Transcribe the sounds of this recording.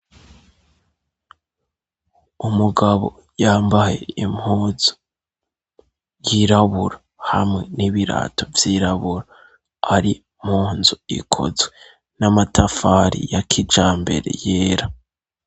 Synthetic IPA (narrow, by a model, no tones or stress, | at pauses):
umuɡaβo̰ | jaːmbaje̞̰imhuːzu̥ | jiɾaβuɾa | hamŋe̞niβiɾa̰ːtʰo̞vjiɾaβuɾa | aɾi | m̥huːnzuḭkʰo̞̰zwe | namatʰafaɾḭjakʰid͡ʒaːmbe̞̰ɾe̞̰jeːɾa